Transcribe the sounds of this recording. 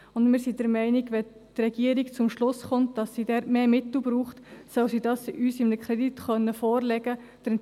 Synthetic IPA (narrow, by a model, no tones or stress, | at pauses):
ʊndmɪːɾsid̥əɾmɛɪniɡʋɛ | t̪rɛɡ̥iːəɾikt͡sʊmʃlʊsχʊntd̥ɑsːidɛːɾtmeːmɪtl̩bɾuːχtsœwsidɑsyːsɪmnəkχɾɛditχœnːəfɔːrlɛɡə | d̥əɾ